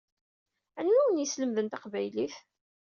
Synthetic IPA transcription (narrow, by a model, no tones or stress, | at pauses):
ænːuwənjəsləmðənt̪ɑqvæjliθ